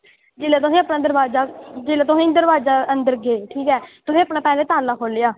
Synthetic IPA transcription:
d͡ʒeːleːt̪̬ʊsĩːəpnaːd̪əɾʋaːzaːd͡ʒeːleːt̪ʊsĩːd̪əɾʋaːzaːənd̪əɾɡeːʈʰiːkɛːt̪ʊsĩːəpnaːpɛːleːt̪aːlːaːkʰoːleːaː

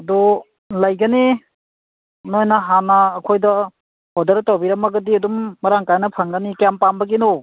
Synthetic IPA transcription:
ɐdɔ | lɐjɡɐni | nojnɐɦanɐːkʰojdɐ | hɔdɐɾtawbiɾɐmɐɡɐdiɐdumːɐɾaŋkajnɐpʰaŋɡanikjampambɐɡinu

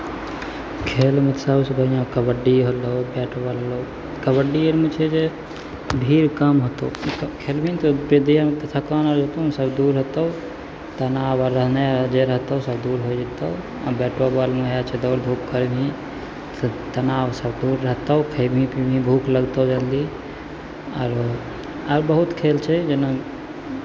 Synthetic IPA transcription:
kʰelmət̪səbsbʱəijãkəbəɖiɦolobɛʈobalɦolo | kəbəɖijəɾmũt͡ʃʰed͡ʒe | bʱiɾkəmɦot̪oukʰelbʱit̪oped̪ijəɾmet̪ət̪ʰakanəɾot̪osəbd̪uɾɦət̪əʊ | t̪ənaʋəɾːəɦnad͡ʒeɾəɦt̪əusəbd̪uɾɦojd͡ʒet̪əu | a̰bɛʈobalmuɦjat͡ʃʰɛd̪ɔːɾbʱukkəɾbʱĩ | t̪t̪ənawsəbd̪uɾːəɦt̪əʊkʰəjbʱĩpibʱĩbʱuːkləɡt̪əd͡ʒəld̪i | a̰ɾ | aɾbəɦut̪kʰelt͡ʃʰɛd͡ʒena

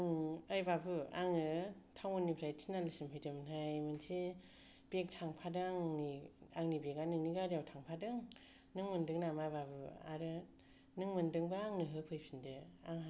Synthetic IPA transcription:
ŋajbabɯaŋɯtʰawŋonːipʰɾajtsʰinalɯsimpʰajdʰɯmnajmɯnsi | b̥ek̚tʰaŋpʰadaŋniaŋnibeɡanɯŋniɡaɾijawtʰaŋpʰadɯŋ | nɯŋmɯndɯŋnamababɯa̰ɾɯ | nɯŋmɯndɯŋbaaŋnɯɦɯpʰɯjpʰindɯaŋa

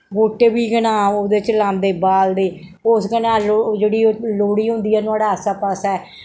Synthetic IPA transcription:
boːʈeːbiːɡənãːoːd̪eːt͡ʃlãːnd̪eːbaːld̪eː | ʊsɡənãːlod͡ʒeːɽiːloːɽiːɦʊ̃nd̪iːɛːnʊaːɽaːəsaːpasɛː

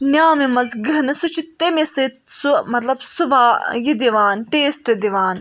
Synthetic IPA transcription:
nʲjaːmimɐzɡɐnɨsut͡ʃʰit̪emesɨt̪sumɐt̪lɐbsuʋaːjid̪iʋaːnʈeːsʈɐd̪iʋaːn

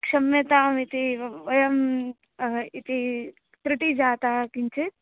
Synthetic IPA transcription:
kʂɐmjɐt̪aːmit̪iʋɐjɐm | it̪i | t̪ɾɪʈid͡ʒaːt̪aːkint͡ʃʰit

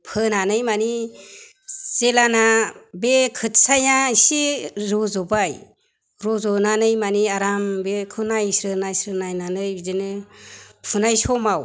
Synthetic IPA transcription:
pʰɯnanɯjmani | selanabekʰɯtsajaisiɾɔzɔbaj | ɾɔzɔnanɯjmaniaɾambekʰɯnajsɾɯnajsɾɯnajnanɯjbizɯnɯ | pʰunajsɔmaw

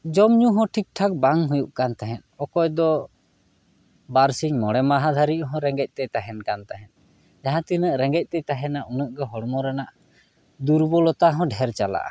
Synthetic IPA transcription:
d͡ʒɔmɲuɦɔ̃ʈʰik̚ʈʰak̚baŋɦujuʔkant̪aɦɛ̃t̪̚ɔkɔjd̪ɔ | baɾsiɲmɔɽɛmaɦad̪ʱaɾiʔɦɔ̃ɾɛŋɡɛc̚ˀt̪ɛt̪aɦɛnkant̪aɦɛ̃n̚ | d͡ʒaɦãt̪inəʔɾɛŋɡɛc̚ˀt̪ɛt̪aɦɛnaʔunəʔɡɔɦɔɽmɔɾɛnaʔ | d̪uɾbɔlɔt̪aɦɔ̃ɖʱɛɾt͡ʃala̰ʔa̰

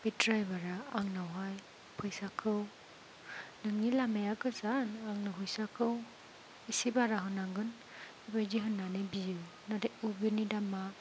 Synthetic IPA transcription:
b̥itɾajbaɾaaŋnawɦaj | pʰɯjsakʰɯw | nɯŋnilamajakɯzanaŋnɯɦujsakʰɯw | isibaɾaɦɯnaŋɡɯn | ibajdiɦɯnːanɯbijɯ | nadejubinidama

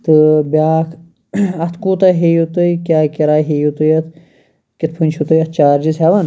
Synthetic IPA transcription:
t̪ɨbʲaːkʰ | ɐt̪ʰkuːt̪ɐɦejut̪ɨjkʲaːkiɾaːɦeːjut̪ujɐt̪̚ʰ | kit̪̚pʰɨnʲt͡ʃʰut̪ujɐt̪̚ʰt͡ʃaːɾd͡ʒizɦaʋɐn

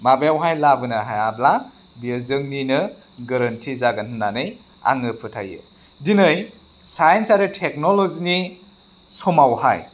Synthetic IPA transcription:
mabejawɦajlabɯnɯɦajabla | biəzɯŋninɯ | ɡɐɾɐntʰizaɡanɯnːanɯj | a̰ŋɯpʰɯtʰa̰jɯ̰ | dinɯj | sajensaɾitʰek̚nolozini | sɔmawhaj

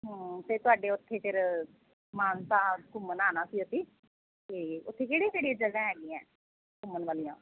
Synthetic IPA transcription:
ɦət̪eːt̪ʊaːɖeːʊt̪ʰːeːfɪɾ | maːnt̪ãːkʊmənaːnaːsiːʊt̪ʰːiː | eʊt̪ʰːeːkeːɽĩːkeːɽid͡ʒəɡãːɦɛːɡiːɛ̃ː | kʊmːənʋaːlijãː

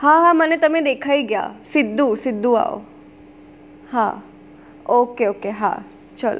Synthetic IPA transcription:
hãɦãmɐnet̪ɐmẽd̪eːkʰaːiɡɐja̰ːsɪd̪ʱːusɪd̪ʱːua̰ːo̰ | hã̰ | oːkeoːkeɦã̰ | t͡ʃɐlo̰

